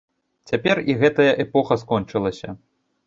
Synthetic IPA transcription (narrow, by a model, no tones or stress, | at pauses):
t͡sʲapʲɛriɣɛt̪ɐjɐʔɛpɔxɐskɔnt͡ʂɨlˠɐsʲɐ